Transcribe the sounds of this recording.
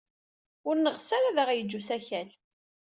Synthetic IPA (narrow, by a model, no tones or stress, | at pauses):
ʊɾnəʁsæɾæðəʁjəd͡ʒːusæçæl